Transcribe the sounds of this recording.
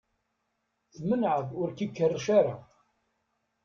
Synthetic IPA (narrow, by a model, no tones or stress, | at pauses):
θmənʕəðʊɾkikːərːʃaɾa